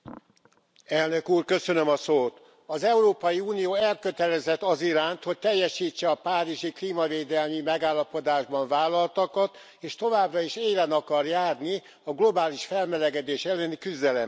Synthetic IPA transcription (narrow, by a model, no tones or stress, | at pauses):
ɛlnø̞kuːrkø̞sø̞nømɒsoːt̪ | ɒzɛuɾoːpɒjiuːnijoːɛlkø̞t̪ɛlɛzɛt̪ːɒziɾaːnt̪ho̞c̚t̪ɛjːɛʃiːt͡ʃːɛɒpaːɾiʒikliːmɒveːd̪ɛlmimɛɡaːlːɒpo̞d̪aːʒbɒɱvaːlːɒlt̪ɒkɒt̪ | eːʃt̪o̞vaːbrɒiʃeːlɛnɒkɒrjaːrni | ɒɡlo̞baːliʃfɛlmɛlɛɡɛd̪eːʃɛlːɛnikyzd̪ɛlɛm